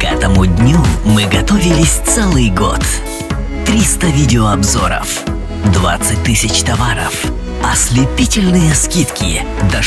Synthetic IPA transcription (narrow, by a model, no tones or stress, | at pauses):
kɛt̪əmʊdʲnʲumɨɡɐt̪ovʲɪlʲɪsʲt̪sɛlˠɨjɡo̰t̪ | t̪ɾʲist̪əvʲidʲɪoɐbzoɾə̰f | d̪va̰t̪sːɨt̚ʲt̪ɨsʲɪt͡ɕt̪ɐvaɾə̰f | ɐsʲlʲɪpʲitʲɪlʲnɨjəskʲit̪kʲɪ̰ | d̪ɐ